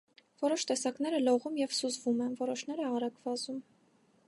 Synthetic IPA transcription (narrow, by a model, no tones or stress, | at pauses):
vɔɾɔʃt̪ɛsɑknɛɾəlɔʁumjɛvsuzvumɛnvɔɾɔʃn̪ɛɾəɑɾɑɡvɑzum